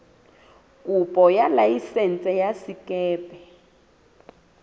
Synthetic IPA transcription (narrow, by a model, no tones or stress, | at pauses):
kʼupʼɔjalajisɛnt͡sʼɛjasikɛːpɛ